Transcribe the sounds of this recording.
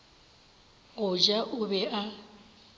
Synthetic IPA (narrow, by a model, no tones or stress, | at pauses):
ɣʊd͡ʒaʔʊbɛʔa